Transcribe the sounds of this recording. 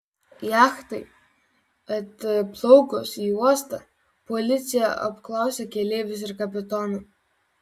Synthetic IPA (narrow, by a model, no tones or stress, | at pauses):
jɑːxt̪ɐɪ | ɐt̪plˠɔʊkɔsiːuɔst̪ɐ | pɔlʲɪt̪sʲɪjɛɐ̰pklˠɑˑʊsʲɛkʲɛlʲeːʋʲʊs̬ɪɾkɐpʲɪt̪ɔnu